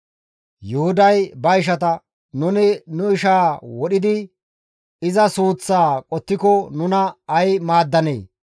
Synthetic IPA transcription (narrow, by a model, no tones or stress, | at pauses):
jʊhʊd̪ɐjbɐɪʃ̬ɐt̪ɐ | nʊnɪnʊɪʃaːwɔɗɪd̪ɪ | ɪzɐsuːt͡sːaːkʼɔt̪ːɪkɔnʊnɐɐjmaːd̪ːɐnḛː